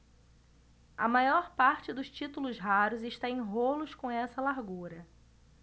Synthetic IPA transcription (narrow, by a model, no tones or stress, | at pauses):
ɐ̰majɔɾpaɾt͡ʃɪd̪ʊst͡ʃit̪ulʊzɦaɾʊzɪʃt̪aẽj̃ɦolʊskõw̃ɛsɐlaɾɡuɾɐ